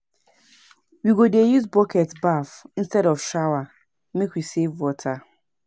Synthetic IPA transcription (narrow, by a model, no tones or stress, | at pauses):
wiɡodejuzbɔkɛtbafĩnstɛɾɔfʃawa | mekwisevwɔtʰa